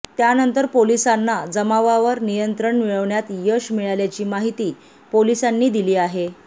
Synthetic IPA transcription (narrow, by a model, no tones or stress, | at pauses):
t̪janənt̪əɾpolisanːad͡zəmaʋaʋəɾnijənt̪ɾəɳmiɭəʋɳjat̪jəɕmiɭaljat͡ɕiːmaɦit̪iː | polisanːiːd̪iliːaɦe